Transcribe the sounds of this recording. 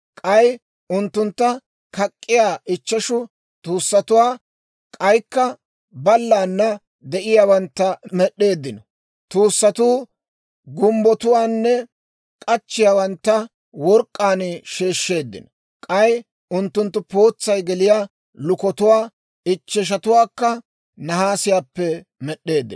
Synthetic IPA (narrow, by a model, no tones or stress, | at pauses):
kʼɐj | ʊnt̪ːʊnt̪ːɐ | kɐkʼːɪjaːʔɪt͡ʃːɐʃʊ | t̪ʼuːsːɐt̪ʊwaː | kʼɐjkːɐ | bɐlːaːnːɐ | d̪ɛʔɪjaːwɐnt̪ːɐmɛɗːe̞ːd̪ːɪnɔ | t̪uːsːɐt̪uː | ɡʊmbɔt̪ʊwaːnːɛ | kʼɐt͡ʃːɪjaːwɐnt̪ːɐ | wɔɾkʼːaːnʃeːʃːeːd̪ːɪ̰nɔ | kʼɐj | ʊnt̪ːʊnt̪ːʊpo̞ːt͡sːɐjɡɛlɪjaː | lʊkɔt̪ʊwaː | ɪt͡ʃːɛʃ̬ɐt̪ʊwaːkːɐ | nɐɦaːsɪjaːpːɛ | mɛɗːe̞ːd̪ːɪ